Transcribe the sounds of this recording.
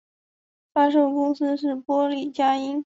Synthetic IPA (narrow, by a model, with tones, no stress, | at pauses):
fa˥ʂo˥˩ʊkʊ˥ŋsɹ̩˥ʂɻ̩˥˩pwɔ˥li˨˩t͡ɕja˥i˥n